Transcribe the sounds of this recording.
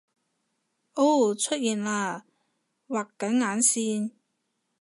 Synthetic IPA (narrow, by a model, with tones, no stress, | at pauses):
ʔo˥wt͡ʃʰɵ˥t̚jiː˨nlaː˧ | waː˨˩kːɐ˨˥nŋaː˨˥nsiː˧˥n